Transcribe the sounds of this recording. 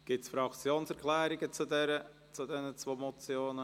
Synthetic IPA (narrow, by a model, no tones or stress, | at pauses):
ɡ̥ɪtsfɾɑkt͡sjoːnsɛɾkʰlæːɾɪɡ̥ət͡sudɛɾə | t͡sud̪ɛnət͡svoːmɔt͡sjoːnə